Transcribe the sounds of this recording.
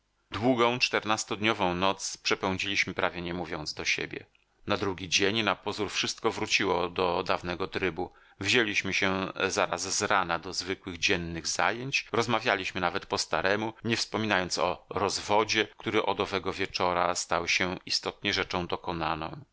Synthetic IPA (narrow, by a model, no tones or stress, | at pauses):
d̪wuɡɔ̃w̃t͡ʂt̪ɛɾnast̪ɔd̪ɲɔvɔ̃w̃nɔt̪spʂɛpɛw̃d͡ʑilʲiɕmɘpɾavʲjɛɲɛmuvʲjɔnd̪zd̪ɔɕḛbʲjɛ̰ | nad̪ɾuɡʲid͡ʑeɲnapɔzuɾfʂɘst̪̚kɔvɾut͡ɕiwɔd̪ɔd̪avnɛɡɔt̪ɾɘbu | vʑelʲiɕmɘɕɛzaɾazzɾanad̪ɔzvɘkwɘɣd͡ʑɛnːɘɣza̰jeɲt͡ɕɾɔzmavʲjalʲiɕmɘnavɛt̪pɔst̪aɾɛmuɲɛfspɔmʲinajɔnt̪sɔ̰ɾɔzvɔd͡ʑɛkt̪uɾɘʔɔd̪ɔvɛɡɔvʲjɛt͡ʂɔɾast̪awɕɛist̪ɔt̪ɲɛʐɛt͡ʂɔ̃w̃d̪ɔkɔnanɔ̰̃w̃